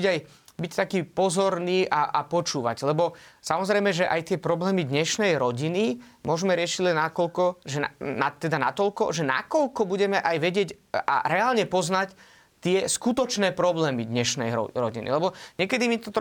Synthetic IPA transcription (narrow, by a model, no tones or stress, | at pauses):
aj | bict̪akiːpɔzɔɾniːʔaʔapɔt͡ʃuːʋa̰ɟlɛbɔsamɔzɾɛjmɛʒɛʔajt̪ɪɛpɾɔblɛːmid̪ɲɛʃnɛjɾɔɟini | mʊɔʒmɛɾɪɛʃiɟlɛnːakɔlkɔʒɛnanat̪ːɛd̪anat̪ɔlkɔ̰ʒɛna̰kɔʎkɔbuɟɛmɛʔajʋɛɟɪɛɟ | a̰ɾɛaːlɲɛpɔznac | t̪ɪɛskut̪ɔt͡ʃnɛːpɾɔblɛːmid̪ɲɛʃnɛjɔ̰ɾɔɟinḭlɛbɔɲɛkɛd̪imit̪ɔt̪